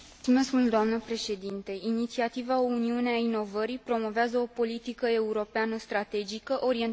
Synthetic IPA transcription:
ume̞skmuld̪oamnəpɾe̞ʃe̞d̪int̪e̞init̪siat̪ivao̞uniuneaino̞vəɾipɾo̞mo̞veazəo̞po̞lit̪ikəe̞uɾo̞peanəst̪ɾat̪e̞d͡ʒikəʔo̞ɾie̞n

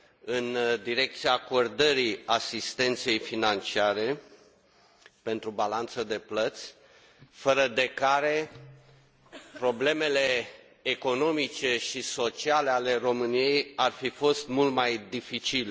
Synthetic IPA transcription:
ɨnd̪iɾe̞k̚t̪siaːko̞rd̪əɾiasist̪e̞nt̪se̞jfinant͡ʃiaɾe̞ | pe̞nt̪ɾubalant̪səd̪e̞plət̪sʲ | fəɾəd̪e̞kaɾe̞ | pɾo̞ble̞me̞le̞ː | ko̞no̞mit͡ʃe̞ʃiso̞t͡ʃiale̞ale̞ro̞mɨnije̞jarfifo̞st̪mult̪majd̪ifit͡ʃil

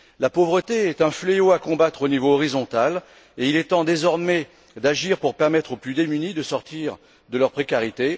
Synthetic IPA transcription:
lapovʁət̪eɛt̪ɛ̃fleoakɔ̃bat̪χonivoːʁizɔ̃t̪al | eilɛt̪ɑ̃d̪ezɔʁmɛ | d̪aʒiʁpuʁpɛʁmɛt̪χoplyd̪emynid̪əsɔʁt̪iʁ | d̪əlœʁpχekaʁit̪e

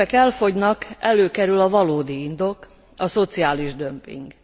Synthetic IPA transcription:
ɛkɛlfo̞ɟnɒkɛløːkɛɾylɒvɒloːd̪iind̪o̞k | ɒso̞t̪siaːliʒd̪ømpḭŋɡ

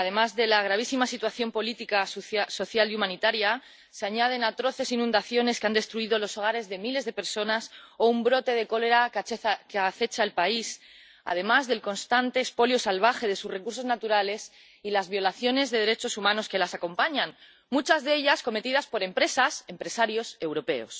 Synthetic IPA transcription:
aðe̞mazðe̞laɣ̞ɾaβ̞isimasit̪waθjo̞mpo̞lit̪ikaso̞θjaliumãnit̪aɾja | seaɲað̞e̞nat̪ɾo̞θe̞sinũnd̪aθjo̞ne̞skeand̪e̞st̪ɾuiðo̞lo̞so̞ɣ̞aɾe̞zðe̞mile̞zðe̞pe̞ɾso̞naso̞umbɾo̞t̪e̞ð̞e̞ko̞le̞ɾakkaθe̞t͡ʃaelpais | a̰ð̞e̞mazðe̞lko̞nst̪ant̪e̞ːspo̞ljo̞salβ̞axe̞ð̞e̞susre̞kuɾs̬o̞znat̪uɾale̞s | ilazβjo̞laθjo̞ne̞zðe̞ð̞e̞ɾe̞t͡ʃo̞sumãno̞ske̞lasako̞mpaɲan | mut͡ʃazðe̞ʎasko̞me̞t̪iðaspo̞ɾe̞mpɾe̞sase̞mpɾe̞saɾjo̞se̞wɾo̞pe̞o̞̰s

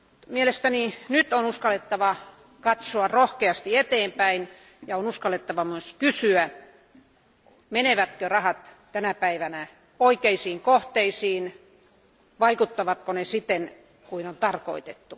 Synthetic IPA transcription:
t̪mielest̪æninyt̪onuskɑlːet̪ːɑʋɑ | kɑt̪soɑrohkeɑst̪iet̪eːmpæin | jɑonuskɑlːet̪ːɑʋɑmyøskysyæ | meneʋæt̪kørɑhɑt̪ | t̪ænæpæiʋænæ | oikeisiːŋkoht̪eisiːn | ʋɑikut̪ːɑʋɑt̪konesit̪en | kuinont̪ɑrko̰it̪et̪ːu

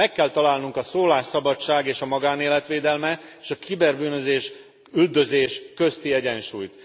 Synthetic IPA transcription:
ɛkːɛlt̪ɒlaːlnuŋkɒsoːlaːʃːɒbɒt͡ʃːaːɡeːʃɒmɒɡaːneːlɛt̪ʋeːd̪ɛlmɛeːʃɒkʰibɛrbyːnø̞zeːʃ | yld̪øzeːʃkø̞st̪iɛɟɛnʃuːjt̪

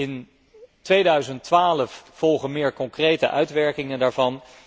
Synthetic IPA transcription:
ɪn | tʋejdœɥzəntʋaːləfv̥ɔlˠχənmɪːɹkɔŋkrejtəʔœɥtʋɛɹkɪŋəndaːɹvɑn

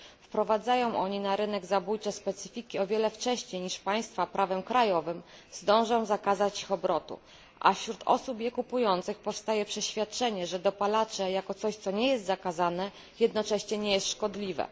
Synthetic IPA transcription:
fpɾɔvad̪zajɔ̃w̃ʔɔɲinaɾɘnɛɡzabujt͡ʂɛspɛt̪sɨfʲikʲiɔvʲjɛlɛft͡ʂɛɕɲejɲiʂpaj̃st̪fapɾʔavɛmkɾajɔvɘmzd̪ɔ̃w̃ʐɔ̃w̃zakazat͡ɕixɔbɾɔt̪ṵ | ʔa̰fɕɾut̪ɔ̰supjɛkupujɔnt̪sɘxpɔfst̪ajɛpʂɛɕfʲjat̪̚t͡ʂɛɲɛʐɛd̪ɔpalat͡ʂɛjakɔt̪sɔɕt̪sɔɲɛjɛst̪zakazanɛ | jɛd̪nɔt͡ʂɛɕɲɛɲɛjɛst̪ʂkɔd̪lʲivɛ̰

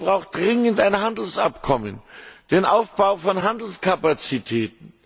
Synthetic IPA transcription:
bʁaʊxt̚d̥ʁɪŋəntaɪnɦandl̩sʔa̰pkʰɔmə̰nd̥eːnʔaʊfb̥aʊfɔnɦandl̩skʰapat͡sitʰɛːtn̩

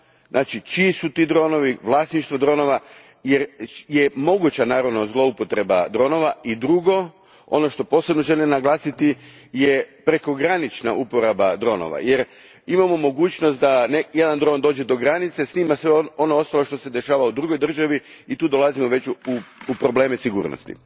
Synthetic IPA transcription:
nʔaːt͡ʃit͡ʃiːsut̪iːd̪ɾo̞ːno̞ʋiʋlˠaːsniʃt̪ʋod̪ɾo̞ːno̞ʋa | jeɾje̞mo̞ɡut͡ɕanaːɾaʋno̞zlˠo̞upo̞t̪ɾe̞ba̰d̪ɾo̞ːno̞ʋaid̪ɾuɡo̞ | o̰no̞ʃt̪o̞po̞ːse̞bno̞ʒe̞limnaɡlˠaːsit̪i | je̞pɾe̞ko̞ɡɾanit͡ʃna̰ʔupo̞ɾabad̪ɾo̞ːno̰ʋa̰je̞ɾ | imamo̞mo̞ɡuːt͡ɕno̞st̪d̪aneje̞d̪and̪ɾo̞ːnd̪o̞ːd͡ʑe̞d̪o̞ɡɾanit̪se̞sniːmasʋeo̞noost̪alo̞ʃt̪o̞se̞d̪e̞ʃaːʋaud̪ɾuɡo̞jd̪r̩ʒaʋiit̪uːd̪o̞lazimoʋe̞t͡ɕuupɾo̞ble̞ːmesiɡṵːɾno̰st̪ḭ

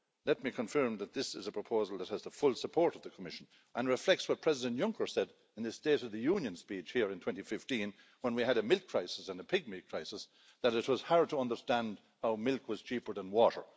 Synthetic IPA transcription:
lɛt̚mikʰə̃ɱfɜ˞mðət̪̚ðɪsɪzəpʰɹ̥əpʰoʊzl̩ˠðət̚həzðəfʊlˠsəpʰɔɹɾʌvðəkʰəmɪʃə̃n | ʔə̃nɹɨflɛk̚tswɒʌt̚pʰɹ̥ɛzɪdə̃nʔjʌ̃ŋkʰə˞sɛɾ | ɨ̃nðɨsteɪɾʌvðɨjũnjɨ̃nspit͡ʃhiɹɪ̃ntʰwɛ̃ntifɪftĩn | wə̃nwiəɾəmɪlˠkʰɹ̥aɪsɪsə̃nəpʰɪɡ̚mɪlkʰɹ̥aɪsəs | ðəɾɨt̚wʌz̥haɹ̚tʰəʌ̃ndə˞stæ̃nd̚ | haʊmɪlˠkwʌz̥t͡ʃʰipə˞ðə̃nwɔɾə̰˞

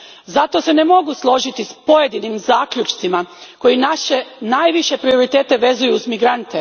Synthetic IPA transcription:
zat̪o̞se̞ne̞mo̞ɡuslˠo̞ʒit̪ispo̞je̞d̪inimzaːkʎut͡ʃt̪simako̞jinaʃenajʋiʃe̞pɾio̞ɾit̪e̞ːt̪eʋe̞zujuːzmiɡɾant̪e

